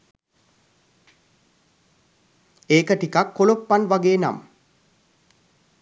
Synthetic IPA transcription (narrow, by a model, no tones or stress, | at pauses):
eːkəʈikakːolopːanʋaɡeːna̰m